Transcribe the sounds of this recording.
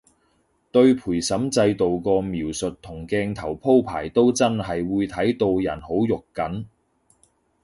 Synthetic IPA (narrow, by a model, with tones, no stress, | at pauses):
t̪ɵ˧ɥpʰuː˨˩jsɐ˨˥mt͡sɐ˧jt̪o˨wkɔː˧miː˨˩wsɵ˨t̚t̪ʰʊ˨˩ŋkɛː˧ŋt̪ʰɐ˨˩wpʰo˥wpʰa̰ː˨˩jt̪o˥wt͡sɐ˥nɦɐ˨jwuː˨˧jt̪ʰɐ˨˥jt̪o˧wjɐ̰˨˩nho˨˥wjʊ˨kkːɐ˨˥n